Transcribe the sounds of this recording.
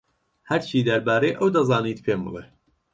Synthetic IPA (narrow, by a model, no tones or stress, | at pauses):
hæɾt͡ʃʰiːd̪ɐɾbaːɾeʔɐwd̪ɐzɑːniːt̪pʰeːmɨ̰le